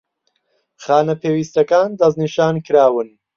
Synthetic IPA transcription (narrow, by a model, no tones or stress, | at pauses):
χaːnɐpʰeːwiːst̪ɐkaːnd̪ɐzniʃaːnkʰɨɾaːwɨn